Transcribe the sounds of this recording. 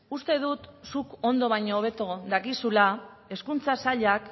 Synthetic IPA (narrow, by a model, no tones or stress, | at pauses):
ust̪e̞ð̞ut̪suko̞nd̪o̞β̞ajɲoːβ̞e̞t̪o̞ðakisula | e̞skunt͡sasaʎak